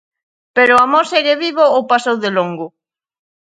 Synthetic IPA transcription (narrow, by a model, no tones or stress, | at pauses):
peɾoamoɾseɣeβiβoːpasowðeloŋɡʊ